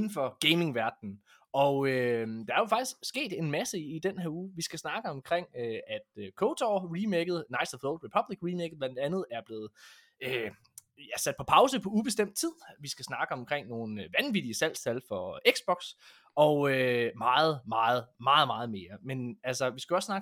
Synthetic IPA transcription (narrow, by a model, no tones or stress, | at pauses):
n̩fɒ̽ɡ̥eɪme̝ŋʋæɐd̥n̩ | ʔɒ̽ʊød̥ɑ̈æɐjo̝fɑ̈ɡ̥isɡ̥sɡ̥e̝̰ːd̥e̝nmæsəːd̥enheɐuːʋisɡ̥æsnɑ̈ɡ̥əɒ̽mkʰʁeŋ̰øæd̥økʰoʊt͡sʰɒʁimeɡ̥ð̩ˠnɑ̈ɪsɒfloʊd̥ʋepʰɒ̽b̥liɡ̥ʁimeɡ̥ð̩ˠb̥lænd̥ænð̞̩ˠæɐb̥le̝ːð̞̩ˠ | ø | jæsæd̥̚pʰɒ̽pʰɑ̈ʊsəpʰɒ̽ub̥e̝sd̥em̰d̥̚t͡sʰið̰ˠʋisɡ̥æsnɑ̈ːɡ̥əɒ̽mkʰʁeŋ̰no̝ːn̩ʋænʋid̥iəsæl̰st͡sʰælfɒ̽eɡ̥sb̥ɒ̽ɡ̥s | ɒ̽ømɑ̈ːð̞̩ˠmɑ̈ːð̞̩ˠmɑ̈ːð̩ˠmɑ̈ːð̞̩ˠme̝ːɐmenælsɐʋisɡ̥æɒ̽ssnɑ̈ːɡ̥